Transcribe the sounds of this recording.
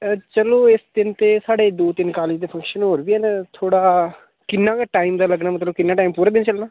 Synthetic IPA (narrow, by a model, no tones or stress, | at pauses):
t͡ʃəloːɪsd̪ɪnt̪eːsaːɽeːd̪oːt̪ɪnkaːlɪd͡ʒd̪eːpʰə̃ŋkʃənɦoːɾbiːɦɛːnet̪ʰoːɽaː | kɪnːãːkaʈaːɪmd̪aːləɡnaːmət̪ləbkɪnːaːʈaːimpuːɾaːbɪnt͡ʃəlnaː